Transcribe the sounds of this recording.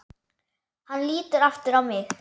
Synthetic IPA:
hanliːt̪ɪɾaft̪ɪɾavmɪɣ

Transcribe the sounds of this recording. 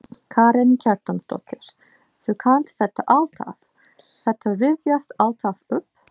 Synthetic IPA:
kʰaːɾɛncʰaɾt̪anst̪ɔ̰t̪ɪɾ̥ | θœkʰant̪θɛt̪ːaʔalt̪ʰa̰f | θɛt̪ːarɪvjast̪alt̪ʰavʏpː

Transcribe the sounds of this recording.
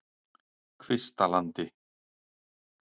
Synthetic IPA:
kʰvɪst̪alant̪ɪ

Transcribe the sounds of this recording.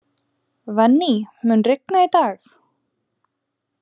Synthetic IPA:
vɛnːimʏnrɪk̚nait̪aːx

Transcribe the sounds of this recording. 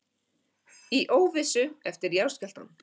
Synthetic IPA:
iʔoːwvɪsʏɛft̪ɪɾjawscɛl̥t̪a̰n

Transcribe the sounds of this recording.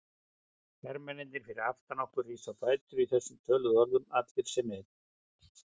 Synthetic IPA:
fɛɾmɛnɪnt̪ɪɾ̥fɪɾɪɾaft̪anɔhkʏrːiːsawfaːjt̪ʏɾiθɛsːʏmt̪ʰœːlʏðɔɾðʏmat̪lvɪɾ̥sɛmɪð

